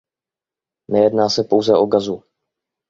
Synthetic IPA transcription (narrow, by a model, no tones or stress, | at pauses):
nɛjɛdnaːsɛpo̞wzɛʔo̞ɡazu